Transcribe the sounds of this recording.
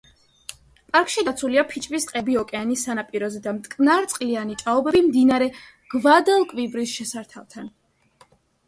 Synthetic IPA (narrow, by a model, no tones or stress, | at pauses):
pʼaɾkʰʃid̪at̪sʰuliapʰit͡ʃʼvisqʼɛbiɔkʼɛanisːanapʼiɾɔzɛd̪amt̪ʼkʼnaɾt̪sʼqʼlianit͡ʃʼaɔbɛbimd̪inaɾɛ | ɡ̥vad̪alˠkʼvibɾisʃɛsaɾt̪ʰalˠt̪ʰan